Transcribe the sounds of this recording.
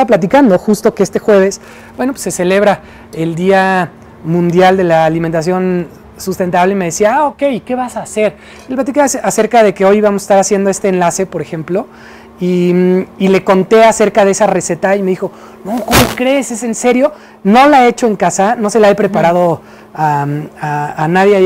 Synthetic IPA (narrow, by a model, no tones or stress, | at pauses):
aβap̬lat̪̬ikand̪o̞xust̪o̞keest̪e̞xwe̞β̞e̞s | bwe̞nopwe̥se̞se̞le̞β̞ɾa | e̞ld̪ia | mũnd̪jald̪e̞laːliment̪as̬jo̞n | sust̪e̞nt̪aβle̞ime̞ðe̞siaao̞ke̞jike̞βasaːse̞ɾ | elplat̪ikesase̞ɾkað̞e̞ke̞o̞jβamose̥st̪aɾasje̞nd̪o̞e̞st̪eːnlase̞po̞ɾe̞xe̞mplo̞ | iile̞ko̞nt̪e̞ase̞ɾkaðe̞e̞sare̞set̪aimeðixo̞ | nokomokɾe̞ːse̞se̞nse̞ɾjo̞ | no̞laeet͡ʃo̞e̞ŋkasano̞se̞laepɾe̞paɾað̞o̞ | aaanaðje